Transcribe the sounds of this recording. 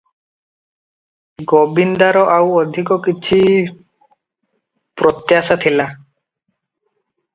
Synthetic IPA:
ɡɔbind̪aɾɔʔawɔd̪ʱikɔkit͡ʃʰi | pɾɔt̪jasat̪ʰila

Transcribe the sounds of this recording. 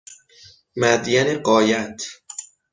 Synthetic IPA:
mæd̪jæneɢɒːjæt̪ʰ

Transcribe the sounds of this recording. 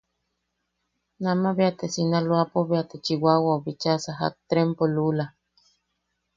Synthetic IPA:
namaβeat̪esinaloapoβeat̪et͡ʃiwawaoβit͡ʃasaɦa̰k̚t̪ɾempolula

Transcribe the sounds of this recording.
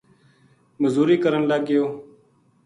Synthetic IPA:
məzuːɾiːkəɾəɳlaːɡɪjoː

